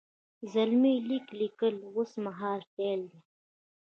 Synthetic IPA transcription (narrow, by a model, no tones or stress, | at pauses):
zalmiliklikəlwʊsmaɦɑːɾpeld̪e